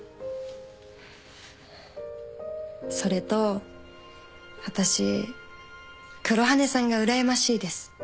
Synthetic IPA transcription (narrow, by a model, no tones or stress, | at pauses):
soɾe̞t̪o̞ | βat̪aɕi | kɯ̟ɾo̞ɦane̞sãŋɡaɯ̟ɾaemaɕiːd̪e̞sɨ̥